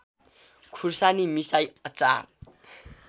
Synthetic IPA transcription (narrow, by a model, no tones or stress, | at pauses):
kʰursanimisajʌt͡sa̰